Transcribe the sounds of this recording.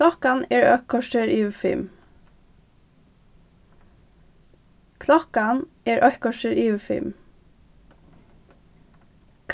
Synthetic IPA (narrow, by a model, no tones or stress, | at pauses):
ɔkɑneːɹœkʰɔʃəɹʔiːʋəfɪ̰m | kʰlɔkɑn | eːɹʔœhkʰɔʃəɹiːʋəfɪ̰m | kʰ